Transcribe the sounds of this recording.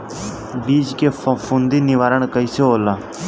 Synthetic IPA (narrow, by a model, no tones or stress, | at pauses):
biːd͡ʒkeːffund̪iːnɪʋaːɾəɳ̃kəiseoːla